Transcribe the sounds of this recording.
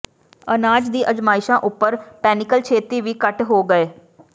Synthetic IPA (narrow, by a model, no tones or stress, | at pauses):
ənaːd͡ʒd̪iːʔəd͡ʒmaːɪʃãːʔʊpːəɾpɛːnɪkəlt͡ʃʰeːt̪iːʋiːkəʈɦoːɡəeː